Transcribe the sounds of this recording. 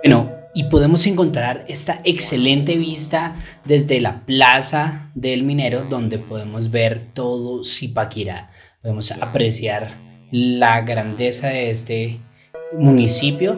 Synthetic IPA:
wenoipo̞ðe̞mo̞se̞ŋko̞nt̪ɾaɾe̞st̪aʔekse̞le̞nt̪e̞βist̪a | ðe̞zd̪e̞laplasaðe̞lmĩne̞ɾo̞ðo̞nd̪e̞po̞ðe̞mo̞zbe̞ɾt̪o̞ðosipakiɾa̰ | poðemo̞sa̰pɾe̞sjaɾ | laɣɾand̪e̞saðe̞est̪e̞ | munisipjo̞

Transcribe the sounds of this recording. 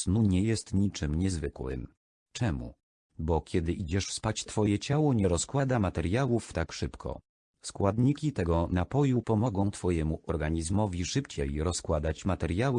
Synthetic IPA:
snuɲɛjɛst̪ɲit͡ʂɘmɲɛzvɘkwɘ̰m | t͡ʂɛmṵ | bɔkʲɛd̪ɘʔid͡ʑɛʂfspat͡ɕt̪fɔjɛt͡ɕawɔɲɛɾɔskwad̪amat̪ɛɾjawuft̪akʂɘpkʰɔ̰ | skwad̪ɲikʲit̪ɛɡɔnapɔjupɔmɔɡɔ̃w̃t̪fɔjɛmuʔɔɾɡaɲizmɔvʲiʂɘpt͡ɕɛjɾɔskwad̪at͡ɕmat̪ɛɾjawɘ

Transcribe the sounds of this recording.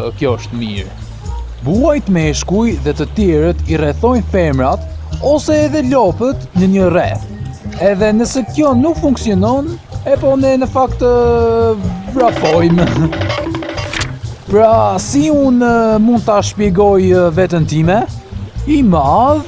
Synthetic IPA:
kjɔʃt̪əmḭɾ | buajt̪əmɛʃkujðɛt̪ət̪jɛɾət̪irɛθɔjnθɛɾmɾat̪ɔsɛːðɛlɔpət̪nəɲərɛθɛðɛnəsɛkjɔnukfuŋksiɔnɔnɛpɔnɛnəfakt̪ə | vɾapɔjm | pɾasiunmund̪̚t̪aʃpjɛɡɔjvɛt̪ənt̪imɛ | imað

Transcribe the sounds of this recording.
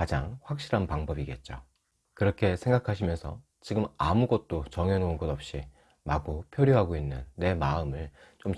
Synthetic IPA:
kad͡ʑaŋɸwak̚ɕ͈iɾanpaŋbʌbiɡe̞t̚t͡ɕ͈o̰ | kɯɾʌkʰe̞sʰeŋɡakʰaɕʰimjʌnsʰʌ | t͡ɕiɡɯmamuɡʌt̚t͈ot͡ɕʌŋenounɡʌdʌp̚ɕ͈i | maɡopʰjoɾjoɦaɡoinːɯnːe̞maɯmɯɭt͡ɕom

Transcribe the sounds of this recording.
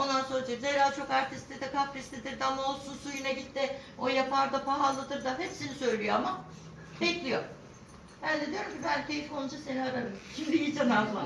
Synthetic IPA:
o̞nd̪anso̞ɾad͡ʒeimzeɾalʲt͡ʃʰo̞kaɾt̪ʰist̪ʰed̪ɛkʰafɾist̪ʰed̪iɾd̪amo̞lˠsunsujynɛɟit̪ʰːɪ | o̞japʰaɾd̪apaɦalˠːad̪ɯɾd̪aɦɛpsinisø̞jlʲijo̞ama | bɛclʲijo | bænd̪ed̪ijo̞ɾumcʰibælʲciiʃkʰonud͡ʒaseniad̪aɾcʰimd̪ijid͡ʒamaklˠa

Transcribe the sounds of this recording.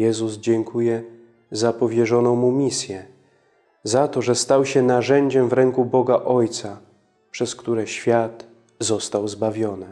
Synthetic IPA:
jɛzuzd͡ʑɛŋkʰujɛ | zapɔvʲjɛʐɔnɔ̃w̃mumʲisʲjɛ | zat̪ɔʐɛst̪awɕɛnaʐɛɲd͡ʑɛmvɾɛŋkubɔɡaʔɔjt̪sa | pʂɛskt̪uɾɛɕfʲjat̪ | zɔst̪awzbavʲjɔnɘ

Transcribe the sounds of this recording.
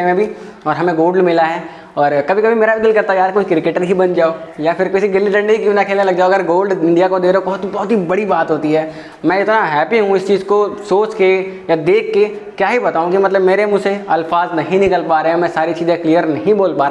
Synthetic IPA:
emẽbʱi | ɔːɾɦɐmẽɡoːɖɖmɪlaɦɛː | ɔːɾkɐbʱikɐbʱimeːɾabɪd̪ɪlkɐɾt̪aɛjaːɾkʊt͡ʃʰkɾɪkeːʈəɾɦibɐnd͡ʒaːoːjapʰɪɾkoɪsiɡɪlːiʈə̃ɳɖikinakʰeːlnelɐɡ̚d͡ʒaːoɐɡəɾɡoːlɖɪ̃ɳɖijakod̪eːɾobɔɦʊt̪ibɔɦʊt̪ɦibɐɽibaːt̪ɦoːt̪iɦɛː | mɛ̃ɪt̪naɦɛːpiɦũɪst͡ʃiːzkosoːt͡ʃkejad̪eːkʰːe | kjaːɦibɐt̪aːũkimɐt̪ləbmeːɾemʊd͡ʒseɐlfaːznɐɦĩnɪkəlpaːɾeɦɛ̃mɛ̃ːsaːɾit͡ʃiːzẽkliːjəɾnɐɦĩboːlpaːɾa

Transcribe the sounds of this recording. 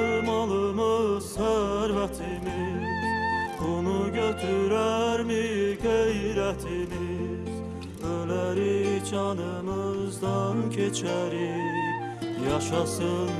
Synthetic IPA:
mɑlˠɯmɯzsæɾvæt̪ʰimizbunuɟøt̪ʰyɾæɾmiɡejɾæt̪ʰimi | z̥ | ølæɾit͡ʃʰɑnɯmɯzd̪ɑncʰet͡ʃʰæɾi | jɑʃɑsɯn

